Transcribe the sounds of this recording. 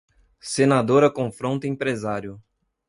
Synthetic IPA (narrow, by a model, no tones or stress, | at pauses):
senad̪oɾɐkõfɾõnt̪ɐẽpɾezaɾjʊ